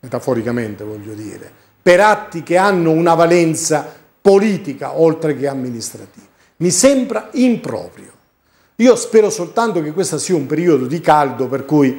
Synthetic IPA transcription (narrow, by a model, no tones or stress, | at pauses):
met̪afɔɾikament̪evɔʎːod̪ḭːɾḛ | peɾat̪ːikeanːounavalɛnt̪sa | poliːt̪ika̰ʔolt̪ɾek̟eamːinist̪ɾat̪i̥ːva | misɛmbɾaimpɾɔ̰ːpɾjo | iːospɛːɾosolt̪ant̪okekːwest̪asiːaumpeɾiːod̪od̪ikald̪operkuj